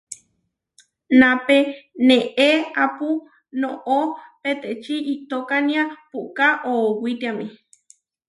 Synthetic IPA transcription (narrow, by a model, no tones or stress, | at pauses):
napenẽʔeapu | noʔopet̪eʔt͡ʃiʔit̪okanĩapuʔkaʔoːwit̪iami